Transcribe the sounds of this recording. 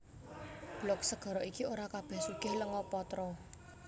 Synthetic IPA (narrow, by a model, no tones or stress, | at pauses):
b̥lɔk̚səɡ̥ɔ̤ɾɔikioɾakab̥ehsuɡ̥ɪhləŋɔpɔt̪ɾɔ